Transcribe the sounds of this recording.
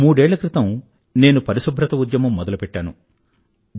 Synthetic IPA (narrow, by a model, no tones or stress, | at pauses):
muːɽɛːɭːɐkɾit̪ɐm | ne̞ːnupɐɾisubʱɾɐt̪ɐud̪jɐmɐmːɔd̪ɐlupɛʈːaːnu